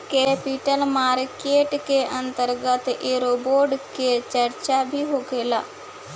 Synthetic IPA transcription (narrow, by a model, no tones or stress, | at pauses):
kepiʈəlmaːɾkeːʈkeʔə̃nt̪əɾɡət̪eːɾoːboːɾɖket͡ʃəɾt͡ʃabʱiɦoːkeːlaː